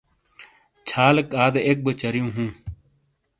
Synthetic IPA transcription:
t͡ɕʰaːlɐkaːd̪ek̚bət͡ɕɐɾjũːɦũː

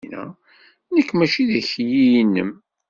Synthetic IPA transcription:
næ̰ | nəkːmæt͡ʃiðæçjijnːə̰m

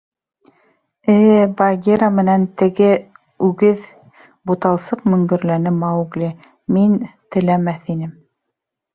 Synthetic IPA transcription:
ɘːbɑɡʲeɾamɘ̆nænt̪ɘ̆ɡɘ | ʉɡɘð | but̪ɑlˠsɤqmɵ̆ŋɡɵ̆ɾlænɘmɑɡlʲi | mint̪ɘ̆læmæθinɘm

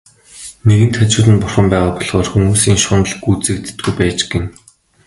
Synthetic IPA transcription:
neɣɘ̆n̥t̪ʰχat͡ɕʊːɮə̆npʊrχə̆mpæːʁaːpɔɮχɔːrxumuːsiːŋʃʊnə̆ɮɡuːt͡sɘ̆ːk̚t̪t̪̚ɡujpæːt͡ɕɡĕn

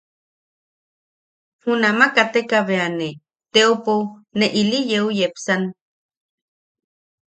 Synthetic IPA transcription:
hunamakat̪ekaβeane | t̪eoponeʔilijeujepsan

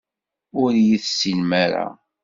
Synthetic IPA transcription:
ʊɾjiθsinmæɾa̰

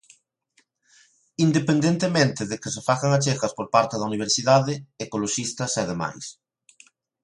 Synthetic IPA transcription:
ind̪epend̪ẽnt̪emẽnt̪ɪðekɪsefaɣaŋat͡ʃekɐspoɾpaɾt̪ɪðɐuniβ̞eɾsiðaðɪekoloʃist̪ɐseaðema̰js

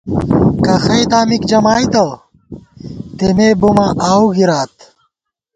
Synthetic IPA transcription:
kɐxɐjt̪aːmikd͡ʑɐmaːit̪ɐ | t̪emebumaʔaːuɡiɾaːt̪

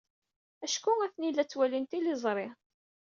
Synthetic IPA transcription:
æʃkʊæθnilːæt͡sːwælint̪ilɪzˤɾˤɪ

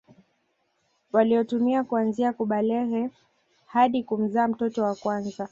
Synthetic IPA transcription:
waliɔtumiakuanziakuɓalɛɣɛ | haɗikum̩zaːm̩tɔtɔwakwanza

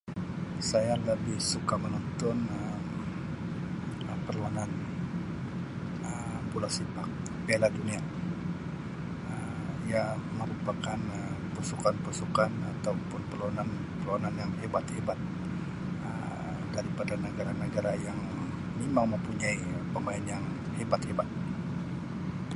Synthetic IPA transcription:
sajaləbɪhsukamənɔnt̪ɔnəm | pərluanan | əmpulasipak̚ | beladunia | əmijaməɾupakanə | pusukanpusukanat̪awpʊnpərluanan | pəluananjaŋhebat̪̚hebat̪̚ | ə | daɾipadanəɡaɾanəɡaɾajaŋ | mimaŋməmpuɲai | pəmainjaŋ | hebat̪̚hebat̪̚

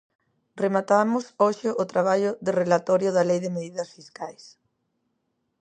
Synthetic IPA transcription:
remat̪amʊsoʃɪʔʊt̪ɾaβaʎʊðɪrelat̪ɔɾjʊðɐlejðɪmeðiðɐsfiskajs

